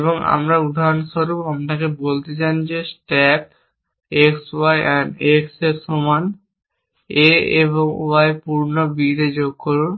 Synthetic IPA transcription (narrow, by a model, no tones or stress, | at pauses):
eboŋa̰mɾaud̪ʱaonʃoɾupamnakebolt̪et͡ɕand͡ʑesʈɛp | eksajʔɛnekseɾsoman | eeβoŋṵajpuɾnobiɾed͡ʑoɡ̚koɾun